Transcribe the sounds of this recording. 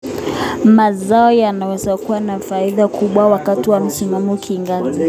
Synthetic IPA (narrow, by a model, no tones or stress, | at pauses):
mazaɔjanawɛzakuwanafaiðakuɓwawakatiwam̩simamɔkʰiŋɡati